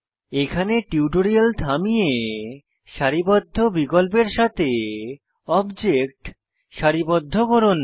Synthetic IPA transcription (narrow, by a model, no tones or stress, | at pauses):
ekʰaneʈiuʈoɾialt̪ʰamije | ʃaɾibɔd̪ʱːobiɡolp̬eɾʃat̪ʰe | ɔbd͡ʑek̚ʈ | ʃaɾibɔd̪ʱːokoɾon